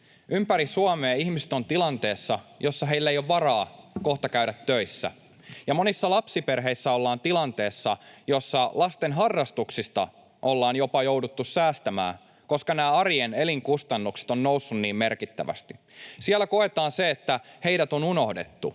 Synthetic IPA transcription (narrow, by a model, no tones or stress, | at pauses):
ympæɾisuɑmeːihmist̪o̞nt̪ilɑnt̪e̞ːsːɑjosːɑɦe̞ilːæejoʋʋɑrɑːko̞ht̪ɑkæɥɾæt̪ːøisːæ̰ | jɑmo̞nisːɑlɑpsiperɦe̞isːæolːɑːnt̪ilɑnt̪eːsːɑjo̞sːɑlɑst̪enɦɑrːɑst̪uksist̪ɑ̰ | ʔolːɑːnjo̞pɑjowdut̪ːussæːst̪æmæ̰ː | ko̞skɑnæːɑrijeneliŋkust̪ɑnːukse̥t̪onːousːunniːmme̞rkit̪ːæ̰ʋæ̰st̪i | sielːæko̞et̪ɑːnseːt̪ːæhe̞iɾæt̪o̞nuno̞hde̞̰t̪ːu